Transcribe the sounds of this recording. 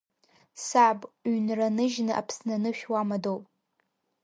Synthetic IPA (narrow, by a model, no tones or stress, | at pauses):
sabʼɥnranɨʒnɨʔa̰pʰsnanɨʃᶣwamadowpʼ